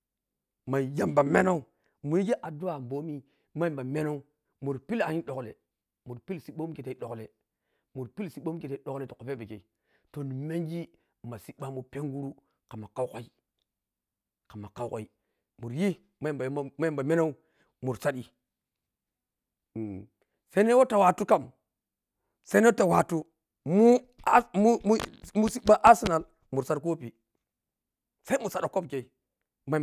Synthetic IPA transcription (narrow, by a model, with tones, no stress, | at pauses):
ma˨ja˦mba˨me˦na˦u˦ | mu˨ji˦ɡi˦ʔa˨du˦a˨m˨bo˦mi˦ | ma˦i˦mba˨me˦no˦u˦ | mu˨ɾpi˦la˨ɲi˦ɗo˨klḛ˨ | mu˨ɾpi˦lsi˦ɓo˦m˦ke˨te˨i˦ɗo˨kle˨ | mu˨ɾpi˦lsi˨˦ɓo˦m˦ke˨te˦i˦ɗo˨kle˨to˨o˨fe˦be˨ke˨i˨ | to˨ni˨me˦ŋd͡ʒi˦ | ma˨si˦ɓa˦mu˨pe˦ŋɡu˦ɾu˦ | ka˨ma˨ka˦wka˦i˦ | ka˨ma˨ka˦ko˨i˦ | mu˨ɾji˦ | ma˦ba˨˦ma˦mba˨me˦na˦u˦ | mu˨ɾsa˦ɗi˨ | sa˦ne˦wo˦ta˨wa˨tu˦ka˦m | sa˦ne˦ta˨wa˨tu˦ | mu˦ | mu˦mu˦si˦ɓa˦ʔa˦si˦na˨l | mu˨ɾsa˦tko˦pi˨ | sa˦i˦mu˨sa˨ɗa˨ko˦bke˨i˦ | ma˦